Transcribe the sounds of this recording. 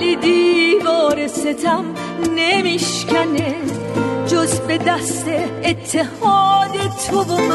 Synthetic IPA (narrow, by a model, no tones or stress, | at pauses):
lid̪iːvɔːɾeset̪ʰæm | nemiʃkʰæne | d͡ʒozbed̪æst̪eːt̪ʰːehɔːd̪et̪ʰobom